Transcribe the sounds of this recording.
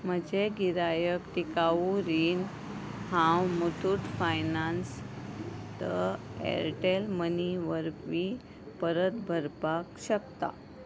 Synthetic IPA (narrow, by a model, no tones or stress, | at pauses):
m̤əd͡ʑeɡiɾajəkʈ̪ikauɾiːn | hãwmut̪ʰuʈfajnans | t̪əḛɾʈelməniʋəɾʋi | pəɾət̪bʱəɾpakɕəkt̪a̰